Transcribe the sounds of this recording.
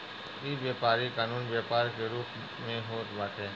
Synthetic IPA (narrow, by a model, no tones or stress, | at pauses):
iːʋjeːpaːɾikaːnuːnbjaːpaːɾkeɾuːp | mẽɦoːt̪baːt̪eː